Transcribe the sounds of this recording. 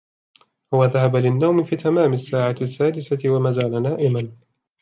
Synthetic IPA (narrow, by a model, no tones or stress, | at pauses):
waðahabalɪnːawmɪfiːt̪ʰamaːmɪsːaːʕasːaːd̪ɪsatɪwamaːzaːlanaːʔɪman